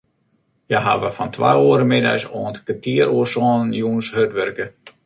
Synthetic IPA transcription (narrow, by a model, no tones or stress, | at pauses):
jaɦa̰ʋəfɔntʰʋa̰joəɾəmɪda̰sɔːntkətʰiəɾuəsɔːnnjuːnshøtʋɛrkə